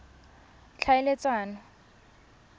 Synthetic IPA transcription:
t͡ɬʰaɪlet͡sʼwaːna

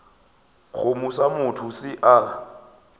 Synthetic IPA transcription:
ɣʊmusamʊtʰʊsɪʔa

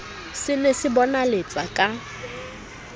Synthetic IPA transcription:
sɪnesɪbɔnalet͡sʼakʼa

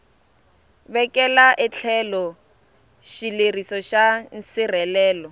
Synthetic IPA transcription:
βɛkʼɛlaʔɛt͡ɬʰɛlɔ | ʃilerisɔʃan̩sirɛlɛːlɔ

